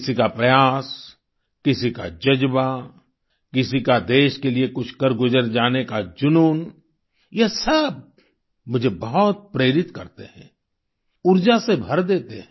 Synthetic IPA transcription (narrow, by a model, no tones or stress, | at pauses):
ksikapɾɐjaːs | kɪsika̰d͡ʒɐd͡ʒba | kɪsikad̪eːʃkeliekʊt͡ʃʰkɐɾɡʊzəɾd͡ʒaːnekad͡ʒʊnuːn | jesɐb̚ | mʊd͡ʒʱebɐɦɔt̪̚pɾeːɾɪt̪kɐɾt̪ḛɦɛ̃ː | ʊɾd͡ʒasebʱɐɾd̪eːt̪eɦɛ̃